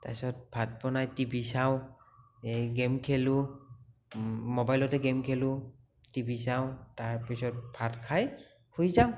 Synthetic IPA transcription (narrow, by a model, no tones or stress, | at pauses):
tasɔt̚b̥ʱat̚pɔnajtibisaw | eɡemkʰelu | mɔbajlɔtɛɡɛmkʰelʊ | tibisawtaɹpisɔt̚b̥ʱatkʰaj | hojzaʊ